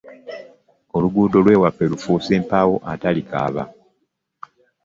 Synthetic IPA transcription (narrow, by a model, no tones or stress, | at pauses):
o̞luɡuːdo̞lwe̞ːwapːe̞lufuːse̞ːmpaːwo̞ʔatalika̰ːβa̰